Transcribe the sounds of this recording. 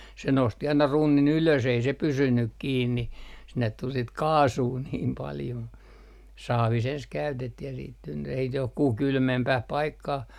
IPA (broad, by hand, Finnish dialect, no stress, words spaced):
se nosti ɑinɑ runːin yløs ei se pysynyk kiːnːi sinːet tul sit kɑːsuː niːm pɑljo sɑːʋis ens kæytetːih jɑ siːt tynːy ei s johkuh kylmempæh pɑikːɑh